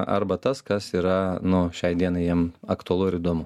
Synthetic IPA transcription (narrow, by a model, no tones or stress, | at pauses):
ʔɐ̰ɾbɐt̪ɐskɐsiːɾɐnʊʃʲɛɪd̪ʲiɛnɐɪjiɛmɐkt̪ʊɐlˠʊɪɾiːd̪oːmʊ